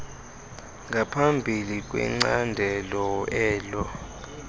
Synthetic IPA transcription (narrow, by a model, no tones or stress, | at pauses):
ŋɡʱapʰambʱilik̬ʼwɛ̰ŋ͡ǀandʱɛlɔɛːlɔ